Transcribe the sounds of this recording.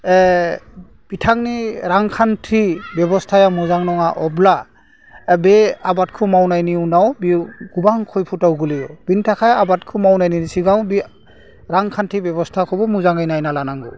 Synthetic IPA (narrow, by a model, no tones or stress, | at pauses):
ɛ | bitʰaŋniɾaŋkʰantʰibjɛbɔstʰajamuzaŋnɔŋaʔɔbla | bɛabat̚kʰumawnajniunawbiɡubaŋkʰɔjpʰutawɡulijɔbintʰakʰajabatkʰumawnajninisiɡawbi | ɾaŋkʰantʰibjɔbɔstʰakʰɔbɔmuzaŋajnajnalanaŋɡɔ